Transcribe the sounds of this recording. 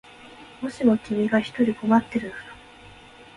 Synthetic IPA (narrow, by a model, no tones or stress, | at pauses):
mo̞ɕimo̞kʲimʲiɡaçi̥t̪o̞ɾʲiko̞mat̪ːe̞ɾɯ̟nokḁ